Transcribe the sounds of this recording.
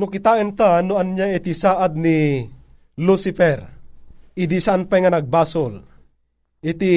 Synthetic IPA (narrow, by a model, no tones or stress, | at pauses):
nukit̪aɛnt̪anuanɲaɛt̪isaʔad̪̚ni | lusifɛr | id̪isaanpaŋanaɡ̚basol | it̪i